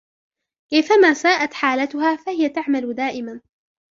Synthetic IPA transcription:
ʔɪfamaːsaːʔat̪ħaːlat̪ʊhaːfahɪjat̪aʕmalʊd̪aːʔɪman

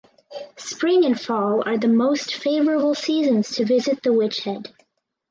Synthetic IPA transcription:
spɹɪ̃ŋɨ̃nfɔlˠə˞ðɨmoʊstfeɪvə˞əbl̩ˠsizɨ̃nz̥tʰɨvɪzɨt̪̚ðəwɪt͡ʃhɛd̥

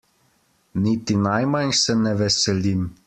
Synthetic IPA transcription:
nit̪inajmansɛnɛʋɛsɛlim

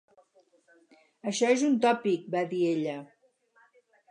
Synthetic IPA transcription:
əʃɔezunt̪ɔpik̚baðieʎə

